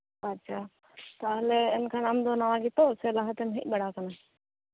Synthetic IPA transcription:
ɐtːʃʰaː | t̪aːleɪnkʰanaːmd̪onaʋãɡit̪oselaːɦət̪emɦɪ̰k̚ɓəɽakəna

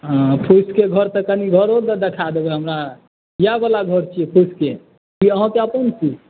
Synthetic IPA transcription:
ɦə̃pʰuskeɡʱəɾt̪əkəniɡʱəɾod̪əd̪ekʰad̪ebɛɦəmɾa | jabəlaɡʱəɾt͡ʃʰiɛpʰuske | kiəɦãkeəpənt͡ʃʰi

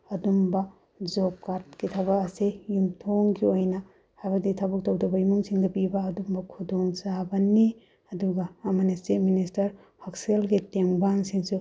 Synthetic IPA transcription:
ɐdumbɐ | d͡ʒop̚kaɾt̚kitʰɐβɐkɐsejumtʰoŋɡiojnɐ | hajbɐk̚ditʰɐbɐk̚tɐwdɐbɐjumuŋsiŋdɐpibɐːdumbɐkʰudoŋsabɐni | ɐduɡɐːmɐnistet̚ministɐɾ | hɐkselɡiteŋbansiŋsu

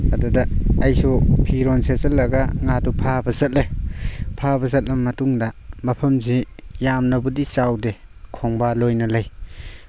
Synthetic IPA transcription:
adudaːjsɔpʰiɾɔnsezɐlːɐɡaŋadupʰabɐzɐt̚lepʰabɐzɐt̚lɐmmːɐtuŋdamɐpʰɐmzejamnɐbudisawdekʰɔŋbalojnɐlaj

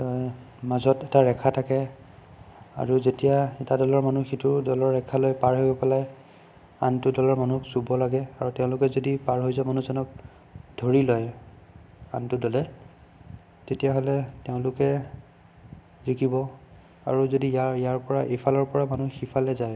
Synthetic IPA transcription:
tɔj | mazɔtɛtaɹɛkʰatʰakɛ | a̰ɹuzetijaɛtadɔlɔɹmanuxitʊdɔlɔɹːɛkʰalojpaɹɦojɡɔpalaj | a̰ntʊdɔlɔɹmanuksubɔlaɡɛaɹuteʊ̃lʊkɛzodipaɹɦojzɔmanuzɔnɔk̚ | dʱoɹilɔj | a̰ntʊdɔlɛ | tetijaɦɔlɛteʊ̃lʊkɛ | zikibɔ | a̰ɹuzodiajaɹpɔɹaʔefʰalɔɹpɔɹamanuxipʰalɛzaj

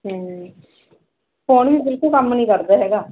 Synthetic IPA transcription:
ɦɛ̃ː | foːnʋiːb̪ɪlkuːkəmːnĩːkəɾd̪aːɦɛːɡaː

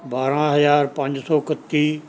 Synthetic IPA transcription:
baːɾãɦɐzaːɾpɐ̃ɲd͡ʑsɔːkɐt̪ːi

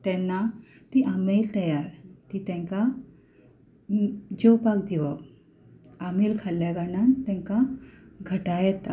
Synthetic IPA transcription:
t̪ɛ̃nːat̪iʔamelt̪əjaɾt̪it̪ɛ̃ŋka | d͡ʑewpakd̪iʋa | amelkʰaljaɡanant̪ɛ̃ŋkaɡʱəʈajɛt̪a

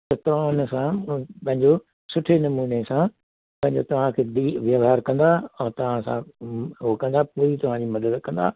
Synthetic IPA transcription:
t̪ɐt̪ɐʋ̤ãʊnsãpɐ̃ɦɪ̃ɲd͡ʑo | sʊʈʰenɐmuːnesã | pɐ̃ɦɪ̃ɲd͡ʑot̪ɐʋ̤ãkʰeːd̪iʋjɐʋɦaːɾkɐ̃nd̪aɔ̃ːt̪ɐʋ̤ãsã̰ɦokɐ̃nd̪apoːit̪ɐʋ̤ãd͡ʑiːmɐd̪əd̪kɐ̃nd̪a̰ː

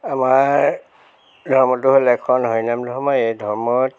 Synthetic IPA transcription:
ama | dʱɔɹmɔtʊɦolɛkʰɔnɦojnamdʱɔɦɔmɔjejdʱɔɹmɔt

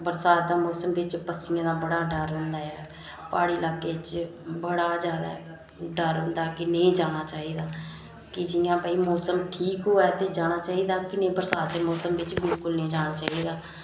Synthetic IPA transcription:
bəɾsaːt̪̚d̪aːmɔːsəmʋɪt͡ʃpəsɪjãːd̪aːbəɽaːɖəɾɦʊ̃nd̪aːɛː | paːɽiːlaːkːeːt͡ʃbəɽaːzjaːd̪a̰ː | ɖəɾɦʊ̃nd̪aːkɪneĩːd͡ʒaːɽ̃aːt͡ʃaːiːd̪aː | kɪd͡ʒɪjãːpaːiːmɔːsəmʈʰiːkɦoːɛːt̪eːd͡ʒaːɽ̃aːt͡ʃaːiːd̪aːkɪnẽːbəɾsaːt̪̚d̪eːmɔːsəmʋɪt͡ʃbɪlkʊlnẽːd͡ʒaːɽ̃aːt͡ʃaːɦiːd̪aː

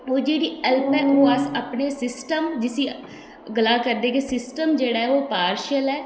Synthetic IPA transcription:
oːd͡ʒeːɽiːɛlpɛːõasəpneːsɪsʈəmd͡ʒɪsiː | ɡəlaːkəɾd̪eːkesɪsʈəmd͡ʒeːɽaːɛoːpaːɾʃəlɛː

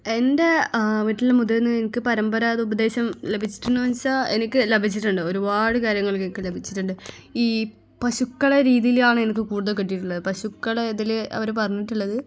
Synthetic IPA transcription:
e̞nde̞ʋiʈːiliːemud̪ɐenːɨenikʲːɨpɐɾɐmbɐɾaːðɨubɐd̪e̞ːɕɐmle̞bʱit͡ɕːi̥ʈːuɳːuʋɐɲt͡ɕːaːe̞nikʲːɨlebʱit͡ɕːiʈːuɳɖɨo̞ɾubaːɽɨkaːɾjɐŋːɐɭkːenikːɨlebʱit͡ɕːiʈːuɳɖɨ | iː | pɐɕukːɐɭɐɾiːðijilaːɳɨe̞nik̬ʲːɨkuːɽuðɐkiʈ̬ːijiʈːuɭːɐðɨpɐɕukːɐɭeðileɐ̰ʋɐɾpɐrɐɲːiʈːuɭːɐðɨ

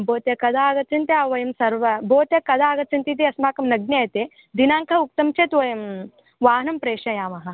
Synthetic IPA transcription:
boːt̪jɐkɐd̪aːɡɐt͡ʃɐnt̪eaːʋɐjɐmsɐɾʋɐboːt̪jɐkɐd̪aːɡɐt͡ʃɐnt̪it̪iɐsmaːkɐmnɐɡ̚nejɐt̪eː | d̪inaːŋkʰɐuk̚t̪ɐmt͡ʃeːt̪ʋɐjɐm | ʋaːɦnɐmpɾeːʂɐjaːmɐɦɐ̆

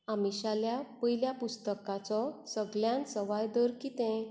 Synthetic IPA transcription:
amiɕaljapəiljapust̪əkãt͡sɔsəɡljãnsəʋajd̪əɾkiːt̪ɛ̃

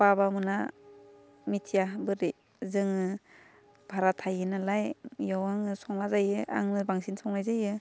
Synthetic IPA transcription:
babamɯna | mitʰijabɯɾi | zɯŋɯ | b̥ʱaɾatʰajɯnalajjawaŋɯsɔŋlazajɯʔa̰ŋnɯbaŋsinsɔŋlajzajɯ

